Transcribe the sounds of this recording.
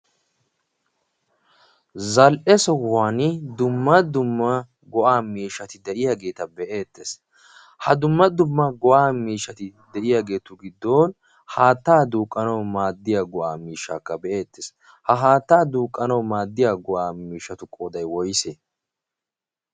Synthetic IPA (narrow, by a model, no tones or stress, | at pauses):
zɐlʔɛsɔwaːnɪd̪ʊmːɐd̪ʊmːɐ | ɡɔʔaːmiːʃːɐt̪ɪd̪ɛʔɪjaɡe̞ːt̪ɐbɛʔe̞ːt̪ːes | hɐd̪ʊmːɐd̪ʊmːɐɡɔʔaːmiːʃːɐt̪ɪd̪ɛʔɪjaːɡe̞ːt̪ʊɡɪd̪ːo̞ːn | haːt̪ːaːd̪uːkʼːɐnɐwmaːd̪ːɪjaːɡɔʔaːmiːʃːa̰ːkːɐbɛʔe̞ːt̪ːes | hɐɦaːt̪ːaːd̪uːkʼːɐnɐwmaːd̪ːɪjaːɡɔʔaːmiːʃːɐt̪ʊkʼoːd̪ɐjwɔjseː